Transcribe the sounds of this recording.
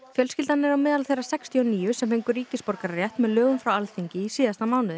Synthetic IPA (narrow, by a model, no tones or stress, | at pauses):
fjœlscɪlt̪anːɛɾawmɛːðalθejrːḁsɛkst̪ʰiɔniːʏsɛmfejŋkʏɾɾiːcɪspɔɾkaɾrjɛht̪mɛðlœːɣʏmfɾawalθiɲcɪisiːðast̪amaːwnɪðɪ